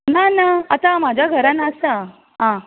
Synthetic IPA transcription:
nanaat̪amad͡ʑʱjaɡʱəɾanəsa | ɦã

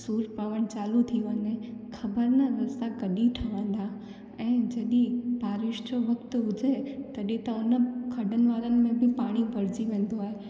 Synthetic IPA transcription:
suːɾpaːʋəɽ̃t͡ɕaːlut̪ʰiʋɐɲexʰɐbəɾnaɾɐsakɐɗiʈʰɐʋə̃ːn̆d̪a | ɛ̃ːd͡ʑɐɗĩbʱaːɾɪʃd͡ʑoʋɐkt̪ʊʊd͡ʑʱet̪ɐɗĩt̪ɐʊnəkʰɐɖʱənɪ̆ʋaːɾənɪ̆mẽbɪpaːɽ̃ibʱɐɾɪd͡ʑiʋẽːn̆d̪oaːɦe

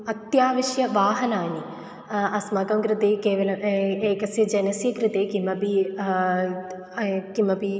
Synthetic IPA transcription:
ɐt̪jaːʋiʃjɐʋaːɦɐnaːni | ɐsmɐkɐmkɾɪt̪eːkeːʋɐlɐmeːkɐsjɐd͡ʒɐnɐsjɐkɾɪt̪eːkimɐpi | kimɐpi

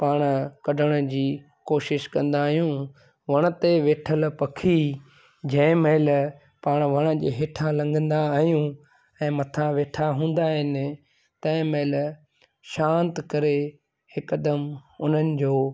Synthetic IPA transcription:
paːɽ̃kɐɖʱəɽ̃ə̆d͡ʑiː | koːʃɪʃkɐ̃nd̪aːɦijũ | ʋɐɽ̃ə̆t̪eʋeːʈʰəlpɐkʰi | d͡ʑɐ̃meɪl | paːɽ̃ʋɐɽ̃ə̆d͡ʑeːɦeːʈʰãlɐ̃ŋɡʱə̃nd̪aaːɦijũ | ɛ̃ːmɐt̪ʰãʋeːʈʰaɦũːnd̪aːɦɪnɪ̆ | t̪ɐ̃ɪ̃meːɪl | ʃãːnt̪kɐɾe | hɪkəd̪əmʊn̤ənɪ̆d͡ʑoː

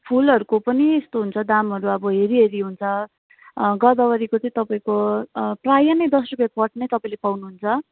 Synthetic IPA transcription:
pʰulʌɾukopʌniest̪oɦunt͡sʰʌd̪amɦʌɾuʌbʌɦeɾiɦeɾiɦunt͡sʰʌ | ɡʌd̪ʌwʌɾikot͡sʌĩt̪ʌpaĩkoprajanʌjd̪ʌsrupjapʌʈnʌjt̪ʌpaĩlepawnuɦunt͡sʰʌ

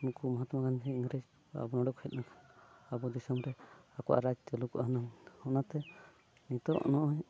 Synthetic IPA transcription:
nukumɔɦat̪makʰankiiŋɡɾed͡ʒ | a̰bɔnɔɖɔkhɛt̪̚nakʰḁnabɔd̪isɔmɾɛakɔwʔa̰ɾad͡ʒt̪ɛlukɔʔaɦnanhɔnat̪ɛ | nit̪ɔʔnɔʔɔɲ

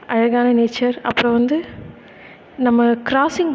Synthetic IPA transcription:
ɐjɐɣaːnɐneːt͡ʃːɐɾɐ̰pːɯɾɐ̃ʋɐnd̪ɯ | nɐmːɐkɪɾaːsɪŋ

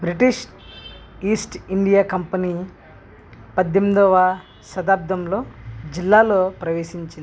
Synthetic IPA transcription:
bɾiʈiʂ | iːsʈiɳɖijaːkɐmpɐni | pɐd̪jɐmd̪ɔːʋa | sɐd̪aːp̚d̪ɐmlo̞ːd͡ʒilːaːloːpɾɐʋeːʃiɲt͡ʃi

